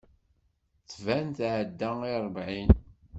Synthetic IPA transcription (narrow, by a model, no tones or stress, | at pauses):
t͡sːvænt̪ʕəd̪ːæŋiɾˤbʕin